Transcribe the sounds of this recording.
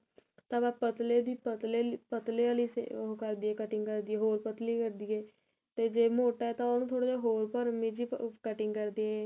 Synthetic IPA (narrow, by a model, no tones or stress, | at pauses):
t̪ãːbaːpət̪leːd̪iːpət̪lepət̪leːaːliːsḛkəɾd̪iːɛːkəʈɪ̃ŋɡkəɾd̪iːɛːɦoːɾpət̪liːkəɾd̪iːɛː | t̪eːd͡ʒeːmoːʈaːɛːt̪ãːonũt̪ʰoːɽaːd͡ʒaːɦoːɾpəɾmid͡ʒiːkəʈɪŋɡkəɾd̪eːɛː